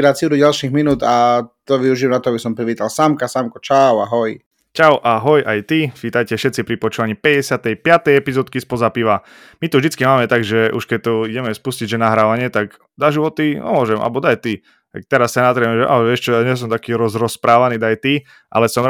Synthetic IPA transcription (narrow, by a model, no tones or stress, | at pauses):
ɾasiɾuɟalʃiɣminuːd̪at̪ɔʋiuʒiɛmnat̪ɔabisɔmpɾiʋiːt̪alsamkasamkɔt͡ʃawaɦɔj | t͡ʃawʔaɦɔjʔajt̪ifiːt̪ajcɛfʃɛt̪t͡sipɾipɔt͡ʃuːʋaɲipɛɟɛsɪat̪ɛjpɪat̪ɛjɛpizɔːt̪kispɔzapiʋa | mit̪uvʒd̪it͡skimaːmɛt̪aɡʒɛʔuʃkɛc̚t̪ɔiɟɛmɛspusciɟʒɛnaɦɾaːʋaɲɪɛt̪ak | d̪aʒiʋɔt̪iɔ̰mʊɔʒɛmʔa̰lbɔd̪ajt̪i | t̪a̰k̚t̪ɛɾasːanazɾɛmɛʒɛʔa̰lɛʋɪɛʃt͡ʃɔaɲɛs̬ɔmt̪akiːɾɔzɾɔspɾaːʋaniːd̪ajt̪i | ʔa̰lɛsɔm